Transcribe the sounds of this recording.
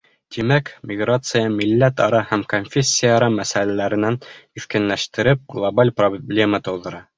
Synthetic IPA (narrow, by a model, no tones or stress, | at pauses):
t̪imækmʲɪɡrat̪sɨjəmilːæt̪ɒɾɑhæmkonfʲesʲːɪjaːɾɑmæsælælæɾɘ̆næniθkænlæʃt̪ɘ̆ɾɘp̚ɡlˠobalʲproblʲe̞mət̪ɤ̆wðɤ̆ɾɑ